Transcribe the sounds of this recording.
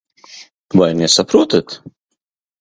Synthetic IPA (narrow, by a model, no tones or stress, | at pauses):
vajɾnʲɛsɐpɾuɔt̪ɐt̪